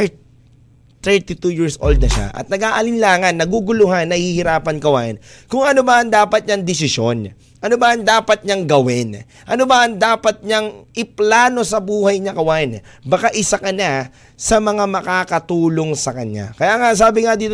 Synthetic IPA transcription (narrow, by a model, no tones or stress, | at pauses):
t̪ɛɹt̪it̪ujiːɹsʔo̰ld̪̚nɐʃa̰ʔɐ̰t̪̚nɐɡaːʔɐlɪnlaːŋɐnːɐɡuɡʊlʊɦanːɐhihɪɾaːpɐnkɐwaːʔɪnkʊŋɐnobɐʔɐŋd̪aːpɐt̪̚ɲɐŋd̪ɪsɪso̞n | ʔɐnobɐʔɐŋd̪aːpɐt̪̚ɲɐŋɡɐwɪn | ʔɐnobɐʔɐŋd̪aːpɐt̪̚ɲɐŋʔɪplaːno̞sɐbuːhɐjɲɐkɐwaːʔɪn | bɐkaʔɪsakɐna | sɐmɐŋamɐkaːkɐt̪uːlo̞ŋsɐkɐɲːa̰kɐjaːŋas̬aːbɪŋɐd̪iːt̪